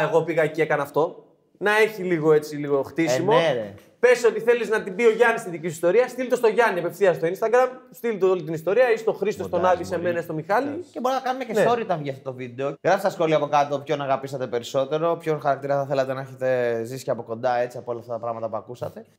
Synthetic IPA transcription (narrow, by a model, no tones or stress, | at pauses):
eɣo̞piɣɐeciekɐnɐːft̪o̞ | nɐe̞çiliɣo̞e̞t͡siliɣo̞xt̪isimoeɾe | pe̞so̞t̪iθe̞liznɐt̪ibio̞ʝɐnist̪iðicisist̪oɾiɐst̪ilit̪o̞st̪o̞ʝɐniepefθiɐsst̪oinst̪ɐɡɾɐmst̪ilit̪oolit̪inist̪o̞ɾiɐist̪o̞xɾist̪o̞st̪o̞nɐðise̞me̞nɐist̪o̞mixɐliceboɾinɐkɐnumecenseoɾit̪ɐvʝiɐft̪ot̪ovid̪e̞oɣɾɐfst̪ɐsxo̞liɐːpo̞kɐt̪opço̞nɐɣɐpisɐt̪e̞pe̞ɾiso̞t̪e̞ɾo̞pçonxɐɾɐk̚t̪iɾɐθɐθelɐt̪enɐeçet̪e̞zisi̥ceɐpo̞ko̞nd̪ɐe̞t͡siɐpoolɐft̪ɐt̪ɐpɾɐɣmɐt̪ɐpuɐkusɐt̪e̞